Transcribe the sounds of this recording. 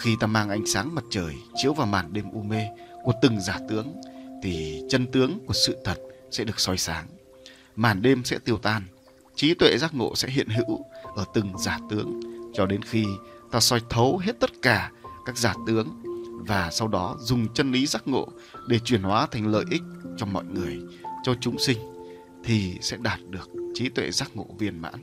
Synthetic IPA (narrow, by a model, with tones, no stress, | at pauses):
xi˧t̪aː˧maː˧ŋʔa˧jŋ̟saː˨˦ŋmə˨˩t̚t͡ɕəː˨˩jt͡ɕi˨˦əwvaː˨˩wmaː˨˩nɗe˧mʔu˧me˧ku˧˩ət̪ɨ˨˩ŋzaː˧˩t̪ɨ˨˦əŋt̪ʰi˨˩t͡ɕə˧nt̪ɨ˨˦əŋku˧˩əsɨ̰˧˨t̪ʰə˨˩t̚sɛ̰˧˥ɗɨ˨˩ək̚sɔ˧jsaː˨˦ŋ | maː˨˩nɗe˧msɛ̰˧˥t̪i˧əwt̪aː˧n | t͡ɕi˨˦t̪wḛ˧˨zaː˦˥k̚ŋo̰˧˨sɛ̰˧˥ɦḭ˧˨ənɦɨ̰˧˥wʔəː˧˩t̪ɨ˨˩ŋzaː˨˩t̪ɨ˨˦əŋt͡ɕɔ˧ɗe˨˦nxi˧t̪aː˧sɔ˧jt̪ʰə˨˦wɦe˦˥t̚t̪ə˦˥t̚kaː˧˩kaː˦˥k̚zaː˨˩t̪ɨ˨˦əŋvaː˨˩sa˧wɗɔ˨˦zʊ˨˩ŋ͡mt͡ɕə˧nli˨˦zaː˦˥k̚ŋo̰˧˨ | ɗe˧˩t͡ɕwi˧˩ənhwaː˨˦t̪ʰa˨˩jŋ̟lə̰ː˧˨jʔï˦˥k̟̚t͡ɕɔ˧ŋ͡mmɔ̰˧˨jŋɨ˨˩əjt͡ɕɔ˧t͡ɕʊ˨˦ŋ͡msï˧ŋ̟ | t̪ʰi˨˩sɛ̰˧˥ɗaː˨˩t̚ɗɨ˨˩ək̚t͡ɕi˨˦t̪wḛ˧˨zaː˦˥k̚ŋo̰˧˨vḭ˧˩ənma̰ː˧˥n